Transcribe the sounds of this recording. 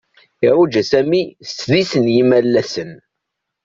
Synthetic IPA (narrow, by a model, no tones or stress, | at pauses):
ɪɾˤud͡ʒæsæmist͡sːðisənjimælːæsən